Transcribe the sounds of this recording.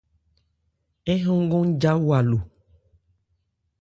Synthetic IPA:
ɛ˦ɦɔ̃˦ŋ˦ɡõ˦ŋ˦d͡ʒa˦wa˨lo˨

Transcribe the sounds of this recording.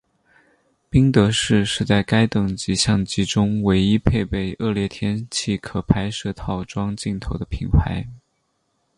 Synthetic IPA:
pi˥ŋt̪ɤ˧˥ʂɻ̩˥˧ʂɻ̩˥˧t͡sa˥˩ɪka˥ɪt̪ɤ˥˨˩ŋt͡ɕi˧˥ɕjɑ˥˩ŋt͡ɕi˧˥ʈ͡ʂʊ˥ŋwe˧˥ɪi˥pʰe˥˧ɪpe˥˩ɪʔɤ˥˩ljɛ˥˩t̪ʰjɛ˥nt͡ɕʰi˥˩kʰɤ˨˩pʰa˧˥ɪʂɤ˥˧t̪ʰɑ˥˩ʊʈ͡ʂwɑ˥ŋt͡ɕi˥˩nt̪ʰo˧˥ʊd̪ə˧pʰḭ˧˥npʰa˧˥ɪ

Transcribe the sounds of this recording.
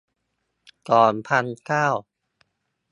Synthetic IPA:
kɔː˨˩npʰa˧nkaː˥˩w

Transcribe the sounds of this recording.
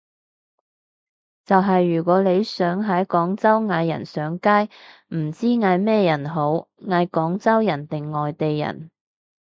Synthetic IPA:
t͡sɐ˨wɦɐ˨jːyː˨˩kʷɔː˨˥le˨˧jsœː˨˥ŋɦɐ˨˥kɔː˨˥ŋt͡sɐ˥wŋaː˨˧jːɐ̰˨˩nsœː˨˥ŋkaː˥jm̩˨˩t͡siː˥ŋaː˨˧jmɛː˥jɐ˨˩nɦo˨˥wŋaː˨˧˥jkɔː˨˥ŋt͡sɐ˥wjɐ˨˩nt̪ɪ˨ŋːɔː˨jt̪e˨jːɐ̰˨˩n

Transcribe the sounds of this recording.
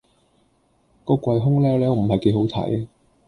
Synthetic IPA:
kɔː˧kʷɐ˧jɦʊ˥ŋlɛː˥lɛː˥˨˧m̩˨˩hɐ˨jke˨˧˥jɦo˨˥wt̪ʰɐ̰˨˥j

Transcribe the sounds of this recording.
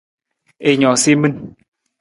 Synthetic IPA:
e˧˨ɲɔ˨si˦mə˦n

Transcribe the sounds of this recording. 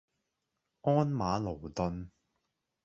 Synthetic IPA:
ɔː˥nmaː˨˧lo˨˩wt̪ɵ˧n

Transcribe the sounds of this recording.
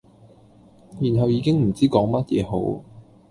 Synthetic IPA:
jyː˨˩nɦɐ˨wjiː˨˧kɪ˥ŋm̩˨˩t͡siː˥kɔː˨˥ŋmɐ˥t̚jɛː˨˧ɦo˨˥w

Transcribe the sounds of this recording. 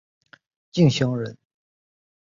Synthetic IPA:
t͡ɕi˥˩ŋɕjɑ˥ŋɻə˧˥n

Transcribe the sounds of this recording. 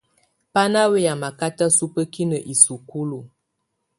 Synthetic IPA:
pa˦na˦we˦ja˨ma˨ka˦ta˦su˦pə˦ki˦nə˨ʔi˨su˨ku˦lu˨

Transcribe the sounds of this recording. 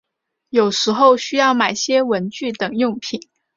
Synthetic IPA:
jo˨˩ʊʂɻ̩˧˥xo˥˧ʊɕy˥jɑ˥˩ʊma˨˩ɪɕjɛ˥wə˧˥nt͡ɕy˥˩t̪ɤ˨˩ŋjʊ˥˩ŋpʰi˨˩˦n

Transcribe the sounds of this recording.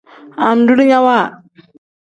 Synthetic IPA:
a˨mdu˦li˦ɲa˦wa˦˨

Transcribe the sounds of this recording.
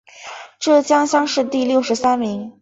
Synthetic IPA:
ʈ͡ʂɤ˥˩t͡ɕjɑ˥ŋɕjɑ˥ŋʂɻ̩˥˧t̪i˥˧ljo˥˩ʊʂɻ̩˧˥sa˥nmi˧˥ŋ

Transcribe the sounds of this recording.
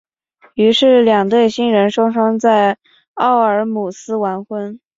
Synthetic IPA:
y˧˥ʂɻ̩˥˩ljɑ˨˩ŋt̪we˥˩ɪɕi˥nɻə˧˥nʂɑ˥ŋʂɑ˥ŋt͡sa˥˩ɪ | ɑ˥˩ʊə˞˧˥mu˨˩sɹ̩˥wa˧˥nxwə˥n

